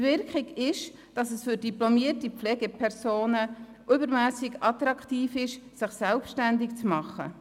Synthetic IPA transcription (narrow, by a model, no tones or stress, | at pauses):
vɪɾkχɪɡɪʃ | d̥ɑsɛsfʏɾdiplɔmiərtipflɛɡɛpʰɛɾsoːnə | ʔʏbəɾmæːsɪɡɑt̪ɾɑkχtiːfɪʃsɪχsɛlpʃtændɪkt͡smɑχə̰